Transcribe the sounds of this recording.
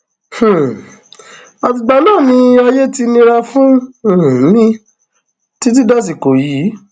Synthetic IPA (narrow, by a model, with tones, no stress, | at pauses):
h̩˨ | a˧fi˦˧ɡ͡ba˧nãː˦˨nĩ˧ɔ˧je˦ti˧nĩ˧ɾa˧fũ˦˨˦ | nĩ˦ | ti˦t̬i˦dɔ˦s̬i˨ko˨ji˨˦